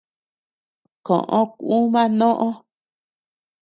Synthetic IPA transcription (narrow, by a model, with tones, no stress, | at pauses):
kõ̰˨ʔõ˧ku˦mã˦nõ˦ʔõ˦